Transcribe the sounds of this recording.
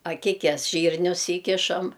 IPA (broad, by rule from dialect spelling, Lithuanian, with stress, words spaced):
ɐˈkʲɪkʲɛs ˈʒʲiːrʲnʲʊs ˈiːkʲɪʃɐm